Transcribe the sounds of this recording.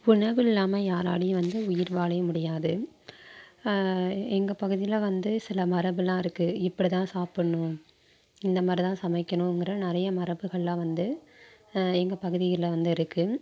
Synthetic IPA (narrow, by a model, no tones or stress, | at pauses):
ʊɳɐʋɪɪlːaːmɐjaːɾa̰ːɽɪjʋɐnd̪ɯʊjɪɾʋaːɭɐjɐmʊɽɪjaːðɯ | ɛŋɡɐpɐɣɯðɪjlʋɐnd̪ɯsɪlɐmɐɾɐʋɯlːãːɪɾɯkːɯɪpːɐɽit̪ãːsaːpɪɳːʊ̃ | ɪnd̪ɐmaːd̪ɾit̪ãːsɐmɐɪkːɐɳʊ̃ŋɡɪɾɐnɪɾɐjɐmɐɾɐbɯɣɐɭlãːʋɐnd̪ɯ | ɛŋɡɐpɐɣɯðɪjɐlɐʋɐnd̪ɯɪɾɯkːɯ